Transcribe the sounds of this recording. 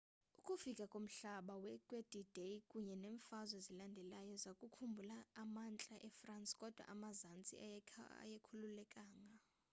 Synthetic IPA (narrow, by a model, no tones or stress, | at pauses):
ukʼufikʼakʼom̩ɬaɓawɛkʼwed̥ʱid̥ejkʼuɲɛneːɱfazwɛzilandʱɛlajɔzakʼukʰumbʱulaːmant͡ɬʼaʔɛfransʼkʼɔd̥ʱwa̰ʔamazant͡sʼia̰jekʰululɛkʼaːŋa